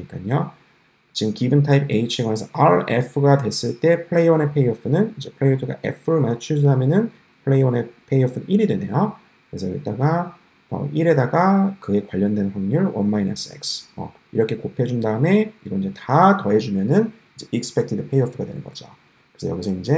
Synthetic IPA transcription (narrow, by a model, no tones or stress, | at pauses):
ɲik͈aɲo | t͡ɕiɡɯmkibɯntʰaipʰeit͡ɕʰeɡʌnesʰʌaɭḛpʰɯɡadwe̞s͈ɯɭt͈e̞pʰɯɭe̞iwʌne̞pʰe̞iʌpʰɯnɯnind͡ʑe̞pʰɯɭe̞iopʰɯɡa̰ʔe̞̰pʰɯɾɯɭmaɲat͡ɕʰuɭsʰuɦamjʌnɯn | pʰɯɭeiwʌne̞pʰe̞iʌpʰɯniɾidwe̞ne̞jo | kɯɾe̞sʰʌkɯt͈aɡa | ʌ̰iɾe̞daɡakɯe̞kwaʎːʌndwe̞nnɸwaŋɲuɭwʌnmainʌs͈ḛksʌ̰ | iɾʌkʰe̞kopʰed͡ʑundaɯme̞iɡʌinɲd͡ʑe̞tatʌɦe̞d͡ʑumjʌnɯn | id͡ʑeʔik̚sɨ̥pʰe̞k̚tʰidɯpʰe̞iʌpʰɯɡadwe̞nɯnɡʌd͡ʑo | kɯɾesʰʌjʌɡisʰʌind͡ʑe̞